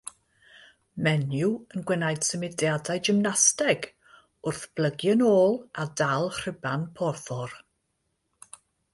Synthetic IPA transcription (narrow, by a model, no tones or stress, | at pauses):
mɛnjuənɡwɛnajd̥səmɪdjadajd͡ʒɪmnastɛɡ | ʊrθb̥lˠəɡjənoːlˠadalˠhr̥ɪbanpʰɔrθɔr